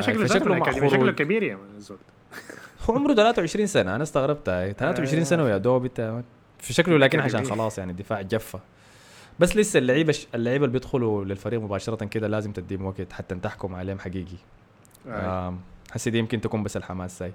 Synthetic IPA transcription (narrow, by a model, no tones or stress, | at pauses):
ʃalfiʃaklaʕxʊɾˤʃuːlkːabiːɾjamazoːt̪ | huːʕomɾut̪alaːt̪awʕeʃɾiːnsanaʔanast̪aɣɾˤɑb̚t̪aːjt̪alaːt̪awʕɪʃɾiːnsanawjaʔd̪oːbit̪aa | fiʃakllaːkinʕaʃaːnxɑlɑːsˤjaʕnid̪ːɪfaːʕd͡ʒafːa | basːlɪsːalːaʕiːbaalːaʕiːbalbjɪd̪xʊlulɪlfaɾiːɣmʊbaːʃɑɾˤɑt̪kɪd̪alaːzɪmt̪ɪd̪iːmwaɡt̪ħat̪ːant̪aħkʊmʕaleːhmħaɡiːɡi | aħasːid̪ijɪmkɪnt̪akuːmbasːalħamaːszaːj